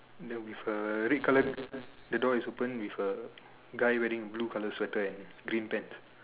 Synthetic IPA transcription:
dɛ̃wifəɹit̚kʰalədədɔisopə̃nwifə | ɡajwɛdĩŋəblukaləswɛtəɛ̃n | ɡɾĩnpɛ̃ns

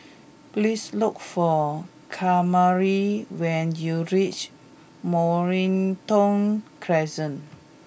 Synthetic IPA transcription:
plislukfɔ | kʰamaɹiwɛ̃njuɹit͡ʃ | mɔɹĩntɔ̃nkʰɹɛzə̃n

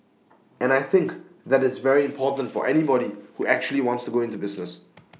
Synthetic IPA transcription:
ɛ̃naɪθɪ̃ŋk | ðæɾɨtsvɛɹiɨ̃mpʰɔˑtn̩tfɔ̰ʔɛnibɔɾihuʔæk̚t͡ʃul̩ˠiwɑ̃ntstuɡoʊɪ̃ntubɪznəs

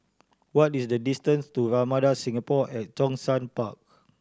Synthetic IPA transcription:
wɔtisdədistə̃nstuɹamadasĩŋapɔʔɛt̚d͡ʒɔ̃ŋsãnpak̚

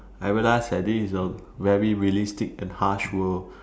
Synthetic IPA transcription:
ʔaɪɹilaɪsdɛdisə | vɛɹiɹiəlistɪk̚ɛ̃nhaʃwəl

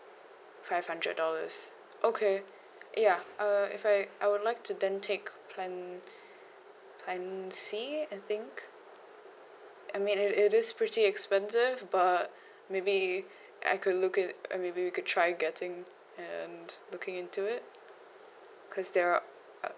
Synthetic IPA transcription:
faɪv̥hʌ̃ndɹə̰dɔlə̰z̥ | ʔokʰe | jaʔaɪ̰faɪʔaɪwədˡlaɪk̚tʰɨdɛ̃ntʰekpʰlɛ̃n | pʰlæ̃nsiaɪθɪ̃ŋk | ʔaɪmĩnɪɾɪɾɪz̥pʰɹ̥ɪtiɛkspɛ̃nsɪvbʌt̚ | meɪbi | ʔa̰ɪkʰɨdlʊkɪ̰meɪbiwikɨd̚tʰɹ̥aɪɡɛtɪ̃ŋ | ɨ̃nlʊkɪ̃ŋɪ̃ntuɪt̚ | kʰɔzðə˞

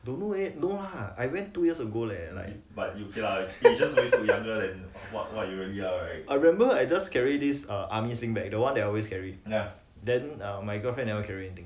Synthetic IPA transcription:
dõnoenolaajwɛ̃ntːujiəsəɡolala̰ɪ | bat̚jukilaid͡ʒaswẽsujãŋɡədɛ̃nwɔt̚wɔtjuɹiliaɹaɪt̚aɹmɛ̃mbəajd͡ʒaskɛɹidisʌʔamislĩŋbɛk̚dəwãndɛtɔlweskʰɛɹija | dɛ̃nʌmajɡɔfɹɛ̃nːɛvəkʰɛɹiɛnit̪ĩŋ

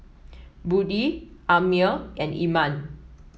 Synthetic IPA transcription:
budiʔamilɛ̃nḭmãn

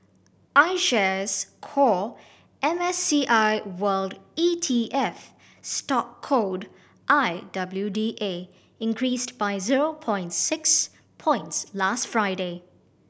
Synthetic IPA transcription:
ʔaɪʃɛzkʰɔ | ʔɛ̃mɛsːiʔaɪwəlditʰiʔɛf | stɔkʰːod | ʔaɪdʌbljudiʔe | ɪ̃nkʰɹiːstbaɪziɹopʰɔ̃ɪ̃ntsɪks | pʰɔ̃ɪ̃ntslastfɹaɪde

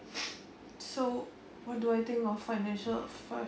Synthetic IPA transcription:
so | wɔt̚duajt̪ɪ̃ŋkɔffaɪnɛ̃nʃəlfa

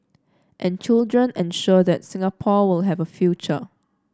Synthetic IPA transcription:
ʔɛ̃nt͡ʃildɹə̃nɛ̃nʃudɛtsɪ̃ŋapʰɔwɪlɦɛvəfjut͡ʃə

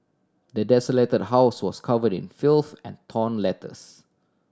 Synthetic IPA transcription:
dədɛsəletəd̚ɦaʊswɔskʰavədɪ̰̃nfilθɛ̃ntʰɔ̃nlɛtʰə̰s

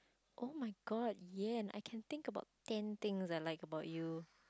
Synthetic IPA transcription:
ʔomaɪɡɔd̚jɛɛ̃na̰ɪkʰɛ̃nt̪ɪ̃ŋkəbaʊttɛ̃nt̪ɪ̃ŋzaɪlaɪkəbaʊtju

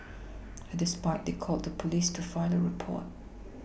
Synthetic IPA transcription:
dɪspaɪt̪̚ðekʰɔlˠt̪̚ðəpʰəlistʰəfaɪləɹɪpʰɔ̰ɹt̚

